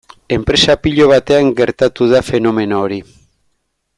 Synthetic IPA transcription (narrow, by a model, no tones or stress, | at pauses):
e̞mpɾe̞sapiʎo̞β̞at̪e̞aŋɡeɾt̪at̪uðafe̞no̞me̞noːɾi